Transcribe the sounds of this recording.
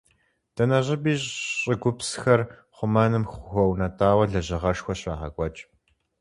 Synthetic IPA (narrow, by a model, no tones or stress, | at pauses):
d̥ɐnɐʑʼɪbiːɕʼɕʼɪɡʷʊpsxɐr | χʷʊmɐnɨmxʷʊxʷɔwnɐtʰʼaːwɐɮɐʑɪʁɐʂxʷɔɕʼɐːħɐ̰kʷʼɔt͡ʃʼ